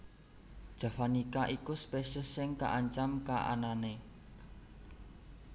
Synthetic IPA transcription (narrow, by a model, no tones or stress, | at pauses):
d̥ʒ̥a̤fanikaʔikuspeʃʊsːɪŋka̰ʔaɲt͡ʃamkaʔa̰nane